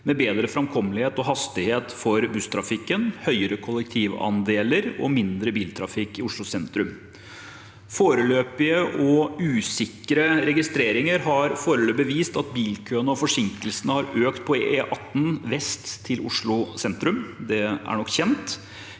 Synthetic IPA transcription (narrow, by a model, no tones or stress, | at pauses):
mɛbeːd̪ɾəfɾɑmkʰɔmlɪheːt̪ɔɦɑst̪ɪheːt̪fɔɾbʉst̪ʰɾɑfɪkːənhœʏəɾəkʰʊlːəkt̪ʰiːʋɑ̰nd̪eːləɾɔ̰mɪnd̪ɾəbiːlt̪ʰɾɑfɪkɪʊʂɭʊsɛnt̪ɾʉm | foːɾəløːpɪəʔɔʉːsɪkːəɾəɾɛɡɪst̪ɾeːɾɪŋəɾɦɑɾfoːɾəløːbəʋiːst̪ɑt̪biːlkʰøːənəɔfɔʂɪŋkəlsənəhɑɾøːkt̪̚pʰɔeʔɑt̪ːn̩ʋɛst̪ʰːɪlʊʂɭʊsɛnt̪ɾʉmd̪ɛæ̰ɾɳɔkːçɛnt̪